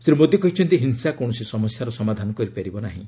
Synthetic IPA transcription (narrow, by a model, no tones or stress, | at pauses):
seɾumod̪ikɔɦit͡ʃʰɔnt̪iɦinsakoɳ̃ɔsisɔmɔsjaɾɔsɔmad̪ʱanɔkɔɾipeɾibɔnaɦḭ̃